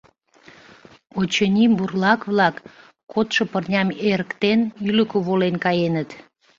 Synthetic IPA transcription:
ot͡ɕənʲimburlɑkβlɑkː | ot̪ʃɤ̆pərnʲɑmeɾəkt̪enyləkoβolenkɑjenət̪

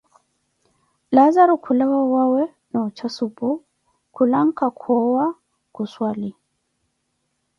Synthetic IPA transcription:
lazaɾukʰulawawawɛ | nɔt͡ʃasupu | kulaŋkakʰɔwa | kuswali

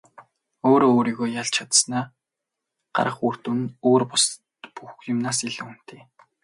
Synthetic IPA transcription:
oːɾooːɾiːɣoːjaɮt͡ɕʰat̪snaː | ɢ̥a̰ɾʁə̆χur̥t̪unoːrpʊstt̪puxjʊmnaːsiɮun̥t̪ʰeː

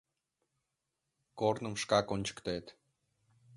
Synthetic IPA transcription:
kornə̆mʃkɑkonʲt͡ɕə̥kt̪et̪

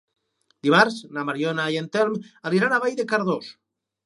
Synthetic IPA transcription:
d̪iβaɾznamaɾjonajent̪elmaliɾanaβajðekaɾðos

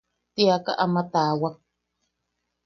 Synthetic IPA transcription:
t̪iaka̰ʔamat̪aːwak

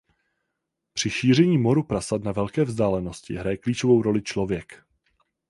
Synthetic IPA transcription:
pr̝̥ɪʃiːr̝ɛɲiːmo̞ɾupɾasatnavɛlkɛːvzdaːlɛno̞scɪ̰ɦɾajɛkliːt͡ʃovo̞wɾo̞lɪt͡ʃlo̞vjɛk

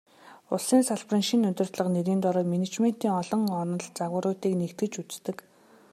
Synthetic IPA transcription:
ʊɮsiːnsaɮprĭŋʃinɵt̪ɵ̆r̥t̪ɮə̆qneɾiːnt̪ɔɾɔːtminet͡ɕmen̥t̪iːŋɔɮɞ̆ŋɔnɞ̆ɮt͡saɣwə̆ɾʊːt̪iːknekt̪ɡɘ̆t͡ɕut͡st̪ɘ̆k

